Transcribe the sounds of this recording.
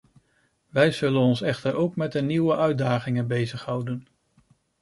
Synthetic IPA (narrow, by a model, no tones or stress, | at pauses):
ʋɛjzɵlənɔnsɛχtəɾʔowkmɛd̚dəniwəʔœɥ̚daːχɪŋənbejzəχɦʌwdən